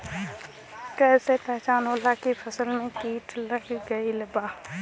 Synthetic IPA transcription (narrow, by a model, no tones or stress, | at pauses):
kɛːsepɛɦt͡ʃaːnɦoːlːakipʰəsəlmẽkiːʈləɡɡəiləbaː